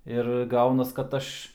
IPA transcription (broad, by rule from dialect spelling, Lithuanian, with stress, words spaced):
ɪr ˈɡɐʊnɐs kɐt ˈɐʃ